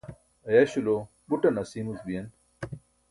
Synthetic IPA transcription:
ɐjaɕulo | buʈɐnɐsiːmusbijɐn

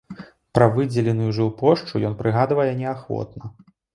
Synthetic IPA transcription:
pɾɐvɨd͡zʲɛlʲɛnujuʐɨwpɔʂt͡ʂujɔnpɾɨɣad̪vɐjɛnʲɛaxvɔ̰t̪nɐ

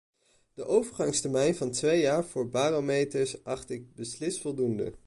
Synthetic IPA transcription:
d̥əʔowvəɹχɑŋstɛɹmɛjnvɑntʋejaːɹv̥ʊːɹbaːromejtəɹsʔɑχtɪɡ̚bəslɪstfɔlˠdundə̰

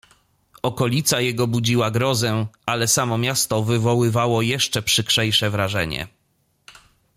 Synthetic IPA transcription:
ɔkɔlʲit̪sajɛɡɔbud͡ʑiwaɡɾɔzɛʔalɛsamɔmʲjast̪ɔvɘvɔwɘvawɔjɛʂt͡ʂɛpʂɘkʂɛjʂɛvɾaʐɛ̰ɲɛ̰

